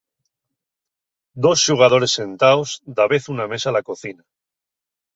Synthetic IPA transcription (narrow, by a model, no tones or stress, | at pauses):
d̪o̞sʃuɣ̞að̞o̞ɾe̞sːe̞nt̪aozd̪aβe̞θuname̞salako̞θina